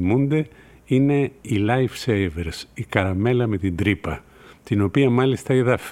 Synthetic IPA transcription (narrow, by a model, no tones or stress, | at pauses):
mund̪e̞ | ine̞ilɐjfsejveɾsikɐɾɐme̞lɐme̞t̪ind̪ɾipɐ | t̪ino̞piɐmɐlist̪ɐiðɐf